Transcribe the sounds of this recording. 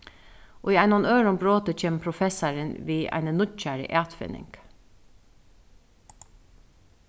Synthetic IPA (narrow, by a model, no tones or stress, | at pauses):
ʔo̰ːiːæɪnʊnøːɹʊmbɹoːt̪əc͡çeːmpʰɾʊfɛsɑɹənʋiːʔæ̰ɪnənʊt̪c͡çæɹə̰ʔɑːt̪fɪ̰nɪ̰ŋɡ̥